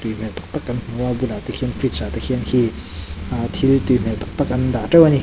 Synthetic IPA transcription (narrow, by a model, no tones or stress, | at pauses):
t̪ym̥ɛlt̪ḁk̚t̪ak̚ʔanm̥uwabulat̪əkʰiənfɾit͡saːt̪əkʰiənki | at̪ʰilt̪um̥ɛlt̪ḁk̚t̪ak̚ʔand̪aːʈ͡ʂewani